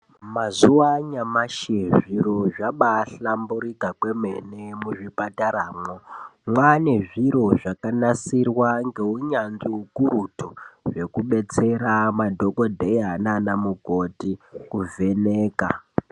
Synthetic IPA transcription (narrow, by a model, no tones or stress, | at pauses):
mazuwaɲamaʃeʐiɾo̞ʐaɓaɬambuɾikakwe̞menemuʐipataɾaːmomwane̞ʐiɾo̞ʐakanasirwaŋɡe̞uɲanʐiukuɾutoʐe̞kuɓe̞t͡se̞ɾamadʱo̞ko̞dʱejananamukotikuvʱe̞neːka